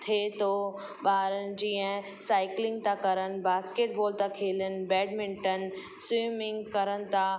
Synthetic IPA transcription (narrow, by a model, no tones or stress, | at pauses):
t̪ʰet̪o | baːɦɾənɪ̆d͡ʑiːə̃ɦ | saːɪklɪ̃ŋɡ̚t̪ãkɐɾənɪ̆baːskeːʈ̚bɔːlt̪ãkʰeːlənɪ̆bɛːɖmɪ̃ɳʈən̆ | swiːmɪ̃ŋɡkɐɾənɪ̆t̪ʰa